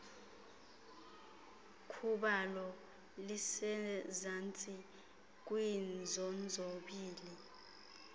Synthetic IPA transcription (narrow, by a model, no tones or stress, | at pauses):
kʰuɓalɔ | lisɛzant͡sʼi | k̬ʼwind͡zʱɔnd͡zʱoɓiːli